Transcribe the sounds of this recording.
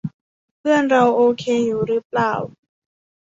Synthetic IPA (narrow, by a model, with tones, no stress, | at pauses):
pʰɯ˥˩ənɾa˧wʔoː˧kʰeː˧juː˨˩ɾɯː˦˥plaː˨˩w